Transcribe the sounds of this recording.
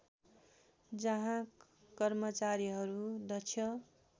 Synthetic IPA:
d͡zʌɦã | kʌrmʌt͡saɾiɦʌɾud̪ʌt͡sʰjʌ

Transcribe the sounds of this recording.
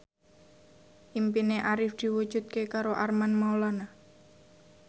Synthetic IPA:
ʔimpineʔaɾɪfd̪̥i̤wu̥d͡ʒ̥ṳt̪̚kekaɾoʔarmanmaolana

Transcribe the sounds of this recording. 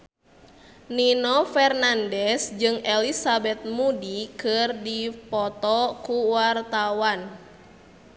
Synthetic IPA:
ninɔfɛrnandɛsd͡ʒɨŋɛlisabɛt̪̚mudikɨrdipɔt̪ɔkuwart̪awan

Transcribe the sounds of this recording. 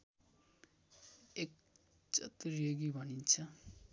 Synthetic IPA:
ek̚ | t͡ʃʌ̰t̪ɾieɡibʱʌnint͡sʰʌ

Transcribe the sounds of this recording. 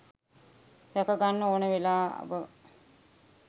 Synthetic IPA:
t̪ɛkəɡanːəoːnəʋelaːa̰bə

